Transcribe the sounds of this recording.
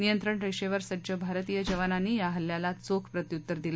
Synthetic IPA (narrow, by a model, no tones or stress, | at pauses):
nijənt̪ɾəɳɾeʂeʋəɾsəd͡ʑəbʱaɾt̪ijəd͡ʑəʋananːiːjaɦəljalat͡sokʰpɾət̪jut̪ːəɾd̪ila